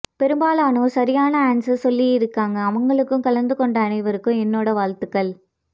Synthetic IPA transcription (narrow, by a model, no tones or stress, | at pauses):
pɛɾɯmbaːlaːnoːsɐɾɪjaːnɐaːɳsɐsɔlːijɪɾɯkːaːŋɡɐːʋɐŋɡɐɭɯkːɯ̃mkɐɭɐnd̪ɯkɔɳɖɐːnɐɪʋɐɾɯkːɯ̃ɛnːoːɽɐʋaːɻt̪ɯkːɐɭ